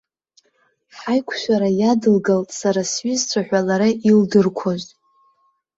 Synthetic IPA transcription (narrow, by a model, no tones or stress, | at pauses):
ħajkʷʰʃʷᶣaɾajadɨlɡaltʼsaɾasɥizt͡sʷʰaħʷᶣalaɾaʔildɨrkʷʰoʒʷʼ